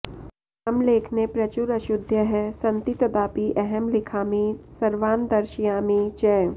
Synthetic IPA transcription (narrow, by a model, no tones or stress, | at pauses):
ɐmleːkʰnepɾɐt͡ʃuɾɐʃʊd̪ʱjəɦɛsɐ̃nt̪it̪ɐd̪aːpiʔɛɦɛmlɪkʰaːmisɐɾʋaːnd̪ɐɾʃijaːmit͡ʃɛː